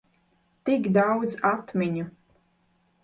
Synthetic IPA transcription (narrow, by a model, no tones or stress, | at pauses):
t̪ikd̪awd̪zat̪mʲiɲʲu